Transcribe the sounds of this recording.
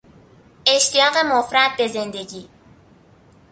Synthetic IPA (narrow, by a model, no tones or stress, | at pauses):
e̞ʃt̪ijɒːɣe̞mofɾæd̪̚be̞ze̞nd̪e̞ɟiː